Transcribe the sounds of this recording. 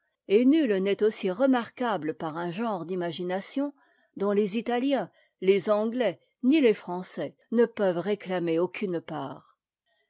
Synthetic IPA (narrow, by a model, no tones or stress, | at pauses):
enylnɛt̪osiʁəmaʁkabləpaʁɛ̃ʒɑ̃ʁd̪imaʒinasjɔ̃ | d̪ɔ̃lezit̪aljɛ̃ | lezɑ̃ɡlɛ | nilefχɑ̃sɛ | nəpœvʁeklameokʰʲynpaːʁ